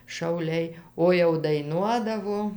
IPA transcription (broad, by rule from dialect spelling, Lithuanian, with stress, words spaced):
ʃɐʊˈlʲɛɪ ˈoː jɛʊ dɐɪˈnuɔdɐʋoː